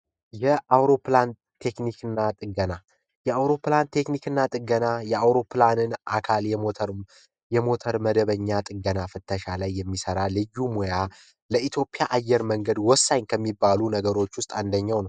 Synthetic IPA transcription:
jɛʔawɾo̞plan | t̪ʰe̞knikɨnːat̪ʼɨɡəna | jɛawɾo̞plant̪ʰe̞knikɨnːat̪ʼɨɡənajɛawɾo̞planɨnʔa̰kʰalɛoɾ | jɛmo̞t̪ʰəɾməd̪əβəɲːat̪ʼɨɡənafɨt̪ʰːəʃalajːɛmːisəɾalɨjːumoja | ləʔit̪ʰjo̞pʼjaʔajːɛɾməŋɡəd̪wɔsːaɲkʰəmːibːalunəɡəɾo̞t͡ʃːwʊst̪ʼand̪əɲːawnəw

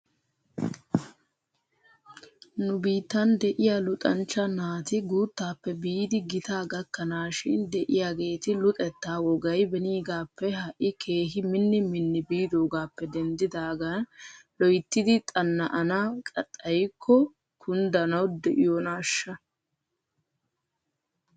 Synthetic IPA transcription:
nʊbiːt̪ːɐnd̪ɛʔɪjalʊt̪ʼɐnt͡ʃːɐnaːt̪ɪɡuːt̪ːaːpːɛbiːd̪ɪɡɪt̪aːɡɐkːɐnaːʃɪnd̪ɛʔɪjaːɡe̞ːt̪ɪlʊt̪ʼɛt̪ːaːwɔɡɐjbɛniːɡaːpːɛɦɐʔɪkʰe̞ːɦɪmɪnːɪmɪnːɪbiːd̪oːɡaːpːɛd̪ɛnd̪ɪd̪aːɡɐnlɔjt̪ːɪd̪ɪt̪ʼɐnːɐʔɐnakʼɐt̪ʼːɐjkʰːɔ | kʰʊnd̪ɐnɐwd̪ɛʔɪjɔnaːʃːɐ

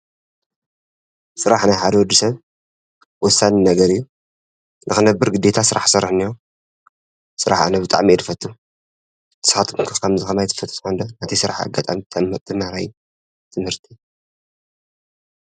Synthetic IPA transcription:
sɨɾaħnajħad̪ɐwɔd̪ːɨsɐβ | wɔsːanɨnɐɡɐɾɨjːu | nʔɨxɨnɐbːɨɾɡɨd̪ːe̞t̪ʰasɨɾʔa̰ħsɐɾɨħnijo | sɨɾaħa̰nɐbɨt̪ʼa̰ʕmiɛd̪ʰɨfɐt̪ʼːu | t̪ɨ̥sxat̪ʰɨmkʰɨxkʰɐmzɨxɐmajt̪ʰɨ̥fɐt̪ʼtʰʼħand̪onat̪ʰisɨɾaħa̰ɡat̪ʼa̰mit̪ʰt̪ʰɨmahɾaj | t̪ʰɨmhɨɾt̪ʰi

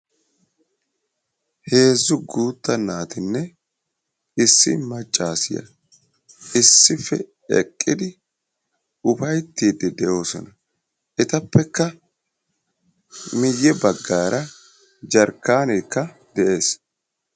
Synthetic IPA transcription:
he̞ːzːʊɡuːt̪ːɐnːaːt̪ɪnːɛ | ɪsːɪ̰mɐt͡ʃʼːaːsɪjɐ̰ | ɪsːɪfːɛ̰ | ɛ̰kʼːɪd̪ɪ | ʊfɐjt̪ːiːd̪ɪd̪ɛjo̞ːsɔ̰nɐ | ʔɪt̪ɐpːɛkːɐ | mɪjːɛbɐɡːaːɾʔɐ | d͡ʒɐɾkːaːneːkːɐ | d̪ɛʔe̞ːs

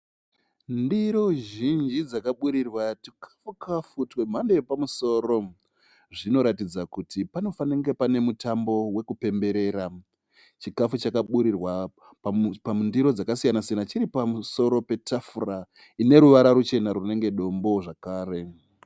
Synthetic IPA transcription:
ndiɾo̞ʒind͡ʒid͡zakaɓuɾirwatikʰḁfukafutwe̞m̤andejepamuso̞ːɾo̞ | ʐino̞ɾatid͡zakutipano̞faneŋɡe̞pane̞mutambo̞we̞kupe̞mbe̞ɾe̞ːɾa | t͡ʃikafut͡ʃakaɓuɾirwa | pamundiɾo̞d͡zakasijanasijanat͡ʃiɾipamuso̞ɾo̞pe̞tʰafura | ine̞ɾuʋaɾaɾut͡ʃe̞naɾune̞ŋɡe̞ɗo̞mbo̞ʐakaːre̞

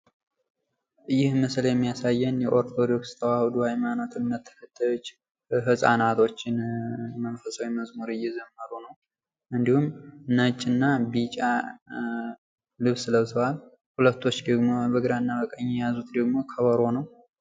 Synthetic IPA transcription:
jɪhməsljɛmːijasajːɛnjɛʔo̞ɾt̪ʰo̞d̪o̞kst̪ʰəwahɨd̪uhajmano̞t̪ʰɨnːət̪ʰːə̥kʰət̪ʰːajo̞t͡ʃː | ɦɨsʼa̰nat̪ʰo̞t͡ʃːɪnmənfəsʼawiməzmuɾɨjːɛzəmːəɾunəw | ʔɨnd̪ihumnət͡ʃʼːɨnːabit͡ʃʼa | lɨβsɨləβsəwal | hulət̪ʰːo̞t͡ʃːd̪əɡmo̞bəɡɨɾaɨnːabəkʼəɲːɛjazut̪d̪əɡmo̞kʰəβəɾo̞nəw

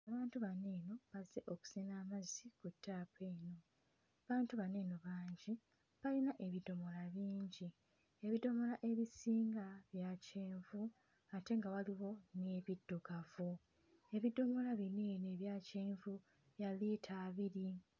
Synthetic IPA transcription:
aβaːntuβane̞ːno̞βaze̞ʔo̞ku̥sinaːmazikutʰːaːpeːno̞ | aβaːntuβane̞ːno̞βaːɲɟi | βalinaʔe̞βido̞mo̞laβiːɲɟi | e̞βido̞mo̞laʔe̞βisiːŋɡaβjaceːɱvu | ate̞ŋɡawaliwo̞neːβidːoɡavu | e̞βido̞mo̞laβineːne̞βjaːceːɱvu | βjaliːtʰaːβiɾi

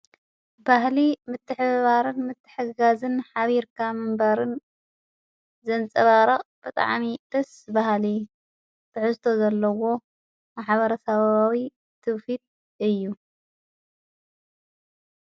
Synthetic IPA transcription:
bahlimɨt̪ʰːɨħɨβaɾɨnmɨt̪ʰːɨ̥ħɨɡazɨnħaβiɾkʰamɨmbaɾɨn | zɐnt͡sʼɐβaɾɐχʼb̥ɨt̪ʼa̰ʕmid̪̥ɐsbahli | t̪ʰɨʕɨzt̪ʰo̞zɐlːɐwo̞ | maħβɐɾɐsɐβawi | t̪ʰɨβfil | ɨjːu

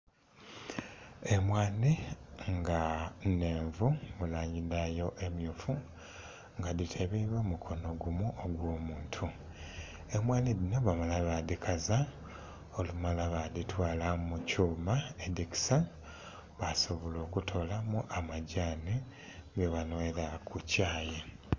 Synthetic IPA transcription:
e̞mwaːniŋɡaneːɱvumulaːɲɟiðajo̞ʔe̞mjufu | ŋɡaditʰeβiβemukʰo̞no̞ɡumuʔoɡwo̞ːmuːntʰu | e̞mwaːniðino̞βamalaβadikʰaza | olumalaβaditwaːlamucuːmaediki̥sa | βasoβolo̞ːkutʰo̞lamuʔamaɟani | ɡeβanoeɾakʰucaːje

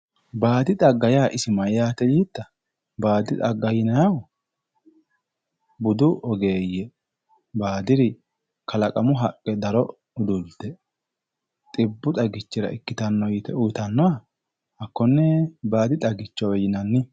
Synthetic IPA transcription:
baːd̪ɪt̪ʼɐɡːɐjaːʔɪsɪmɐjaːt̪ɛjiːt̪ːɐ | baːd̪ɪt̪ʼɐɡːɐjɪnɐjɐw | bʊd̪ʊʔɔɡe̞ːjːɛ | baːd̪ɪɾɪ | kʰɐlɐkʼɐmʊɦɐkʼːɛd̪ɐɾɔ | ʊd̪ʊld̪ɛ | t̪ʼɪbːʊt̪ʼɐɡɪt͡ʃːɪɾɐ̰ʔɪkːɪt̪ɐnːɔjɪt̪ɛʊt̪ɐnːɔwa | ɐkːɔnːɛbaːd̪ɪt̪ʼɐɡɪt͡ʃːɔwɛjɪnɐnːɪ

